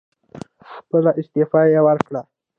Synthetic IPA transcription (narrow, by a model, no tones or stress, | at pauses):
xpəlaʔɪst̪ɪfɑjewəɾkɽa